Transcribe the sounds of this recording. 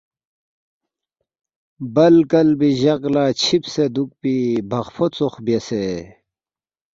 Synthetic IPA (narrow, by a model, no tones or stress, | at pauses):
bɐlkɐlbiʑɐqlaːt͡ɕʰipsed̪uk̚pibʱɐχpʰot͡soχbjese